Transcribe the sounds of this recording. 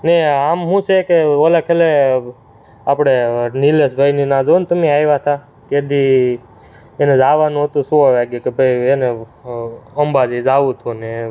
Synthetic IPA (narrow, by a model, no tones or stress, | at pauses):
neamɦũsekeolakʰele | a̰pɽ̃enilesbʱajninad͡ʒont̪əmeajʋat̪ʰa | ked̪i | ened͡ʒaʋanũɦət̪ũsũaʋaɡjukebʱəjene | əmbad͡ʒid͡ʒaʋũt̪ʰune